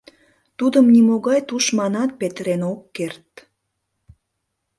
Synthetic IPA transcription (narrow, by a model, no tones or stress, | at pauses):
t̪ud̪əmnimoɣɑjt̪uʃmɑnɑt̪̚pet̪ɾenokːert̪